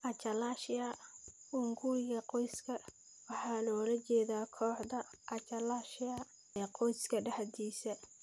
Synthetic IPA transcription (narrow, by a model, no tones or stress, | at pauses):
ʔɐt͡ʃɐlaːʃɪjɐ | ʔʊŋɡuɾɪɣɐqɔjskʰɐ | wɑħɑːlɔːlɐt͡ʃɛːðaːkʰɔːħd̪ɐʔɐt͡ʃɐlaːʃɪɐ | ɛqɔjskʰɐɖɐħd̪iːsɐ